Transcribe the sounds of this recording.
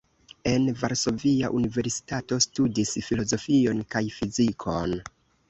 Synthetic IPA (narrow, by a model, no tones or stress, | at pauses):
e̞nvaɾso̞via̰ʔunive̞ɾsi̥tato̞studisfilo̞zo̞fio̞nkajfizikʰo̞n